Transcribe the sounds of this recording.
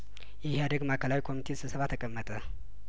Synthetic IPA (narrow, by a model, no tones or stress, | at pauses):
jɪhead̪əɡmakʰəlawikʰo̞mit̪ʰesɨsəβat̪ʰəkʼəmːət̪ʼə